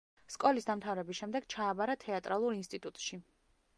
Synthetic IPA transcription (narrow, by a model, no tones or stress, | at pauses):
skʼɔlisd̪amt̪ʰavɾɛbisʃɛmd̪ɛɡt͡ʃʰaːbaɾat̪ʰɛat̪ʼɾalˠuɾinst̪ʼit̪ʼut̪ʼʃi